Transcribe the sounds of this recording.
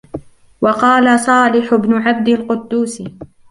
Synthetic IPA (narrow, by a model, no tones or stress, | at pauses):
wɑqɑːlasˤɑːlɪħʊbnʊʕab̚d̪alqʊd̪ːuːsɪ